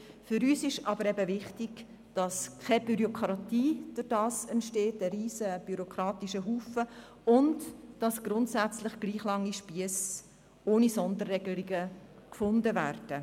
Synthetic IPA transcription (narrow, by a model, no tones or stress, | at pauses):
fʏɾyːsɪʃɑbəɾɛbəvɪχtɪɡ̥ | d̥ɑskʰabyɾjokʰɾɑtiːd̥ʊrd̥ɑːsɛntʃteːtəɾiːzəb̥yɾokɾɑːtiʃəɦuːfə | ʊndd̥ɑsɡ̥ɾʊntsæt͡slɪχɡ̥liːχlɑŋːiʃpiəs | oːnisɔndərːɛɡəliɡəkfʊndəvæːɾd̥ə